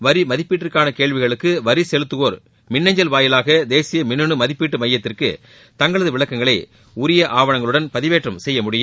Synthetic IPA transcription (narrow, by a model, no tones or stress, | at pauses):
ʋɐɾimɐðɪpːiːʈːɪrkaːnɐkeːɭʋɪɣɐɭɯkːɯʋɐɾisɛlɯt̪ːɯɣoːɾ | mɪnːɐɲd͡ʒɐlʋaːjɪlaːɣɐd̪eːsɪjɐmɪnːɯɳɯmɐðɪpːiːʈːɯmɐjːɐt̪ːɪrkɯ̰ | t̪ɐŋɡɐɭɐðɯʋɪɭɐkːɐŋɡɐɭɐɪ | ʊɾɪjɐʔaːʋɐɳɐŋɡɐɭɯɽɐnpɐðɪʋeːʈrɐmsɛjːɐmʊɽɪjɯm